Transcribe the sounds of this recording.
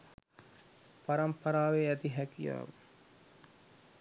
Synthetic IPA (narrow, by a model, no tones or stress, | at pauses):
paɾɐmpɐɾaːʋeæt̪iɦækija̰ːʋ